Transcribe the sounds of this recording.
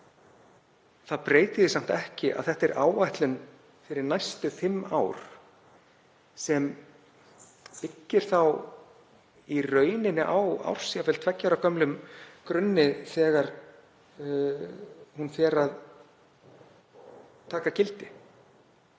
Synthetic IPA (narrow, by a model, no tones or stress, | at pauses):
θaðpɾeːjt̪ɪðɪsam̥t̪ɛhcɪʔa̰ðθɛht̪ɛɾʔaːwvajht̪lʏn | fɪɾɪɾnajst̪ʏθɪmːa̰ːwɾ̥ | sɛm | pɪcːɪɾ̥θaw | irœːɥnɪnːɪʔawa̰wr̥siavɛlt̪ʰvɛcːaɾawkʰœmlʏmkɾʏnːɪθɛːɣaɾ | hunfjɛɾað | t̪ʰaːkacɪlt̪ɪ